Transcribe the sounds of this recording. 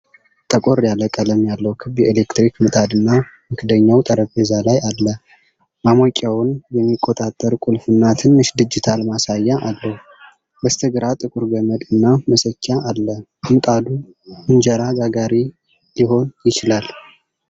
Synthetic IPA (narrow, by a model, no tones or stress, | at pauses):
t̪ʼəkʼo̞ɾjaləkʼələmjalːəwkʰɨbjɛele̞kt̪ɾikmɨt̪ʼad̪ɨnːamɨkʰɨd̪əɲːawt̪ʼəɾəbezalajalːə | mamɔkʼːawʊnjɛmːikʼːo̞t̪ʼat̪ʼːəɾkʼulfɨnːat̪ʰɨnːɨʃd̪ɨd͡ʒːɪt̪ʰalmasajːaʔalːəhu | bəst̪ʰəɡɨɾat̪ʼɨkʼuɾɡəməd̪ɨnːaməsət͡ʃːaːlːə | mɨt̪ʼad̪u | ɨnd͡ʒəɾaɡaɡaɾi | liho̞njɪt͡ʃɪlal